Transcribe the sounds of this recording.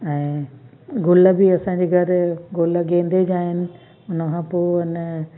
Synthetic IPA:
ɛ̃ː | ɡʊləbiɐsãːɲd͡ʑeːɡʱɐɾɡʊləɡẽːnd̪ed͡ʑaːɦɪnɪ̆ | ʊnəkʰãːpoːʊnə

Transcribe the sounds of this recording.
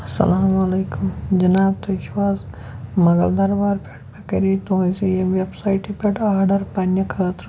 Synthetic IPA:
ɐsɐ̰laːmɐleːkumd͡ʒɐnaːb̚t̪oiʃwaːz | mɐɡɐ̰ld̪aɾbaːɾpeʈmekɐɾit̪oisijemʋebsaːjʈipʲeʈaːɾɖɐɾpaːnjɐkʰəːt̪ɾ

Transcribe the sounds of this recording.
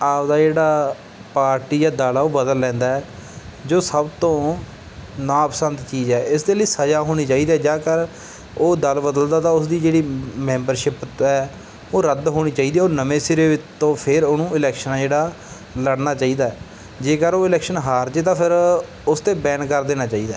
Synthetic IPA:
aːpd̪aːd͡ʒeːɽaː | paːɾʈiːd͡ʒaːd̪aːlaːoːbəd̪əlːɛ̃ːnd̪aːɛːd͡ʒoːsəbt̪õː | nãːəpsənt̪t͡ʃiːzɛːɪsd̪eːləiːsəd͡ʒaːɦoːɽ̃iːt͡ʃaːiːd̪iɛːd͡ʒãːkəɾ | oːd̪əlbəd̪əld̪aːt̪ãːʊsd̪iːd͡ʒeːɽiːmɛ̃ːmbəɾʃɪpɛː | oːɾəd̪ɦoːɽ̃iːt͡ʃaːiːd̪iɛoːnəmẽːsɪɾeːɪt͡ʃːõːpʰɪɾoːnũːɪlɛːkʃənːd͡ʒeːɽaː | ləɽnaːt͡ʃaːiːd̪aːɛː | d͡ʒeːkəɾoːɪlɛːkʃənɦaːɾt͡ʃət̪ãːpʰɪɾ | ʊst̪eːbɛːɳkəɾd̪eːnaːt͡ʃaːiːd̪aː

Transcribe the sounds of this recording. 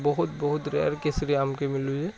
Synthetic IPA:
bɐɦʊt̪bɐɦʊt̪ɾeɾkesɾiaːmkemɪlud͡ʒɛ

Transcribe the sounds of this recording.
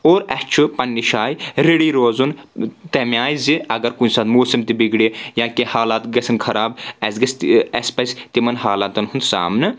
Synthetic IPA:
oːɾɐt͡ʃʰupɐnːiʃaːjɾeɽiːɾoːzunt̪ɐmjaːjziɐɡɐɾkunsaːt̪moːsɐmt̪ibiɡɽijãːkehaːlaːt̪ɡɐsʰɐnkʰɐɾaːbɐsɡɐst̪ɛspɐsʲt̪imɐnhaːlat̪ɐnɦunsa̰ːmnɨ

